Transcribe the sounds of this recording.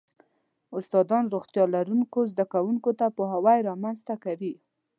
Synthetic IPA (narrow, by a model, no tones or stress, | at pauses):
ʊst̪ɑd̪ɑnɾoɣt̪jɑlaɾunkozd̪akawuŋkot̪apəɦawajɾɑmanzt̪akawi